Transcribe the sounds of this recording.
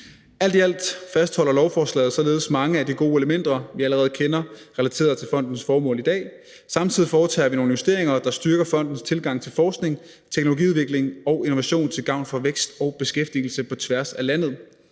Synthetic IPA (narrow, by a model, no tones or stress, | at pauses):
æl̰d̥iæl̰d̥fæsd̥hɒ̽l̰ɐlɒʊfɒːslɛ̰ːð̩ˠsɒ̽le̝ːðˠsmɑ̈ŋəædiɡ̥o̝ːeləmen̰d̥ɐʋiæləʁɛːð̞̩ˠkʰenɐʁɛlæt͡sʰe̝̰ːɐðˠt͡sʰe̝lfɒ̽n̰d̥n̩sfɒːmɔ̰̽ːlid̥ɛ̰ː | sɑ̈mt͡sʰið̰ˠifɒːt͡sʰɛ̰ːʋino̝ːn̩jo̝sd̥e̝ɐ̰eŋɐd̥ɑ̈sd̥yɐɡ̥ɐfɒ̽n̰d̥n̩st͡sʰe̝lɡ̥ɑ̈ŋ̰t͡sʰe̝lfɒːsɡ̥ne̝ŋ | t͡sʰeɡ̥no̝loɡḭːuðˠʋe̝ɡ̥le̝ŋɒ̽ʊe̝no̝ʋæɕo̝̰ːnt͡sʰe̝lɡ̥ɑ̈ʊ̰nfɒ̽ʋeɡ̥sd̥ɒ̽ʊb̥e̝sɡ̥efd̥il̩səpʰɒ̽t͡sʰʋæɐsælæn̰ð̞̩ˠ